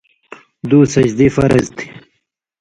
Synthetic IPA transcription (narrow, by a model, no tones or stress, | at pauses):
d̪uːsɐd͡ʑd̪ifɐɾɐzt̪i̥